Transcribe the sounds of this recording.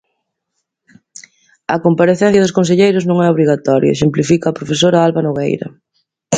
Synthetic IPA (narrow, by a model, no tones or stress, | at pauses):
ɐ̰kompaɾeθɛn̟θjɐðʊskõnseʎejɾʊznõŋɛoβɾiɣat̪ɔɾjɐ̰eʃ̬emplifikaːpɾofesoɾɐalβanoɣḛjɾɐ̰